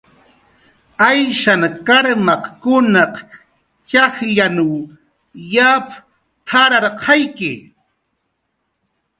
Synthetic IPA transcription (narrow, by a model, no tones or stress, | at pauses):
ajʃaŋkaɾmɑqkʊnɑq | t͡ʃɑχʎanuw | jap | tʰaɾɑɾqʰɑjkɪ